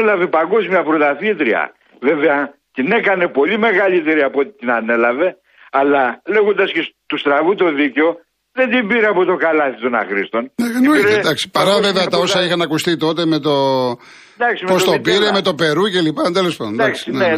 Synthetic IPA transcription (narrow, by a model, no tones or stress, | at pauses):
elɐvepɐŋɡo̞zmijɐpɾot̪ɐθit̪ɾiɐ̰ | ve̞ve̞ɐ | t̪ine̞kɐne̞po̞lime̞ɣɐlit̪e̞ɾiɐpot̪i̥t̪inɐne̞lɐve̞ | ɐlɐle̞ɣond̪ɐscest̪ust̪ɾɐvut̪o̞ðiceo̞ | ðe̞nd̪imbiɾeɐpo̞t̪o̞kɐlɐθit̪o̞nɐ̰xɾist̪o̞nnenuɾed̪ɐksi̥pɐɾɐveveɐt̪ɐo̞sɐixɐnɐkust̪it̪o̞t̪e̞me̞t̪o̞ | d̪ɐksimpost̪o̞piɾeme̞t̪o̞pe̞ɾuce̞lipɐd̪elespoðond̪ɐksine